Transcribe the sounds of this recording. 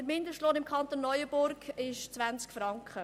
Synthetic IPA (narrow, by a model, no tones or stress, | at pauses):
əɾmɪnd̪əʃtloːnɪmkʰɑnt̪onːɔjəb̥ʊɾkɪʃt͡svænt͡skfɾɑŋkχə